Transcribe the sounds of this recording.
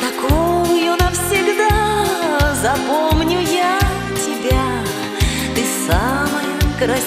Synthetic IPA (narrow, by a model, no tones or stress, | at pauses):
t̪ɐkowʊjonəfsʲɪɡd̪a | zɐpomnʲʊja | tʲɪbʲa | t̪ɨsaməjəkɾɐ